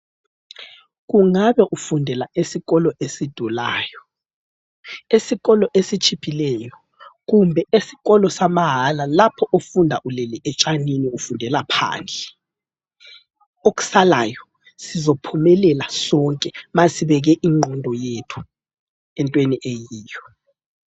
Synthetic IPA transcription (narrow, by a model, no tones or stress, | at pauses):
ɣuŋaβɛʔufundʱɛlaʔesiɣɔlɔʔesid̥ʱulaːjɔ | esiɣɔlɔʔesit͡ʃʰʼipʰilɛːjɔ | ɣumbʱɛesi̥ɣɔlɔsamaɦalalapʰɔʔofundʱaʔulɛliʔɛt͡ʃʼaniniufundʱɛlapʰa̰ːnd͡ɮʱɛ | ok̬u̥salajɔ | sizɔpʰumɛlɛlasɔŋkʼɛmasiβɛɣ̬ɛʔiŋ͡ǃʱɔndʱɔjetʰu̥ | ɛntʼweniʔejiːjɔ